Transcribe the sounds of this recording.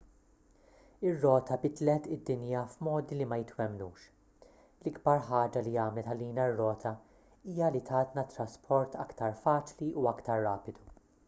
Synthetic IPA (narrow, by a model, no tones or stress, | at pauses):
ɪrːɔːt̪ʰɐbɪt̪lɛt̪ɪd̪ːɪnjɐfmɔːd̪ilimɐjɪt̪wɛmnuːʃ | lɪɡbɐɾħɐːd͡ʒɐliɐːmlɛt̪ɐliːnɐrːɔːt̪ʰɐ | iːjɐlit̪ʰɐːt̪nɐt̪ɾɐspʰɔɾt̪ʰɐkt̪ɐɾfɐːt͡ʃliʔuɐkt̪ɐɾːɐːpɪd̪u